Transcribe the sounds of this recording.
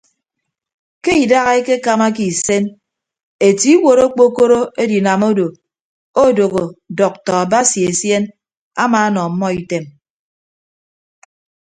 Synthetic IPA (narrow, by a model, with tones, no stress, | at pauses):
ke˦i˨da˦ɣa˦e˦ke˦ka˨ma˦k̬i˨se˦n | e˨ti˦wo˨ɾo˦k͡po˦ko˦ɾo˦e˦di˨na˨mo˦do˨ | o˦˨do˨ɣo˨dɔ˨k̚tɔ˨a˨ba˦si˨e˨sje˦n | a̰˦maː˨a˦nɔ˨m̩˦mːɔ˦i˨te˦m